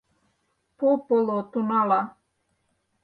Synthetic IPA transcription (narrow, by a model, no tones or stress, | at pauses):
popolot̪unala